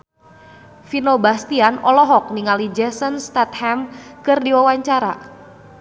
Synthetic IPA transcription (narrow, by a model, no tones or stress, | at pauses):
finobast̪ianɔlɔɦɔk̚niŋalid͡ʒɛsənst̪at̪̚hɛmkɨrdiwawaɲt͡ʃaɾa̰